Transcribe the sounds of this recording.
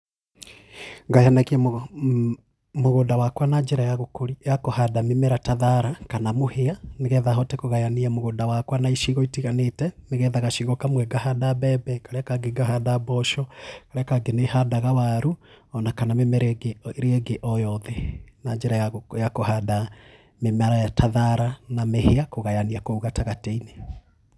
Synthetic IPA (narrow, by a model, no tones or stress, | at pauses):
ŋɡajanakiam | moɣoːdawakwanaɲd͡ʒeɾajaɣokoɾijakohadamemeɾataðaɾakanamoheaneɣɛðaɦɔtɛkoɣajaniamoɣodawakwanaiʃiɣɔitiɣanetɛneɣɛðaɣaʃiɣɔkamwɛɡahadabɛbɛkaɾeakaɡeɡaɦadabɔʃɔkaɾeakaɡenehadaɣawaɾuɔnakanamemɛɾeɡeɾeɛɡeʔɔjɔðɛnaɲd͡ʒeɾajajakohada | memaɾajatʰaðaɾanameheakoɣajaniakouɣataɣateine